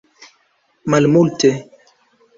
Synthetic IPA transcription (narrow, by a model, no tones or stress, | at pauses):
malmulte